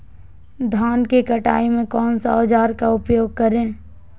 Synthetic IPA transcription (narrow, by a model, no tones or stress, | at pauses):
d̪ʱaːnkekəʈa̰ːimẽkɔːnsad͡ʒaːɾkaʊpjoːɡ̚kəɾẽː